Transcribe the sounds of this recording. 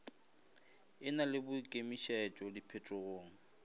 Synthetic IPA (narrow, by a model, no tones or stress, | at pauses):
ɪnalɪbʊkʼemiʃɛt͡ʃʼɔlipʰɛtʼʊɣoːŋ̩